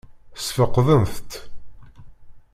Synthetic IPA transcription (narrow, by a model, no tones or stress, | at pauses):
sfəqːðəmθt̪